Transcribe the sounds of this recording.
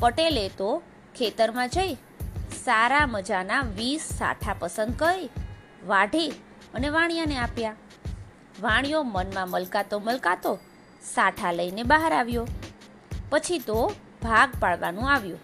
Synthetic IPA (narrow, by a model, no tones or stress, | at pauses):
pəʈelet̪o | kʰet̪əɾmãd͡ʒəj | saɾaməd͡ʒanaʋisːa̰ʈʰapəsənd̪kəɾe | ʋaɖʱi | əneʋãɽ̃ijaneapja | ʋaɽ̃jomənmãməlkat̪oməlkat̪o | saʈʰaləinebaɦaɾaʋjo | pət͡ʃʰit̪o | bʱaɡpaɭʋanũaʋjũ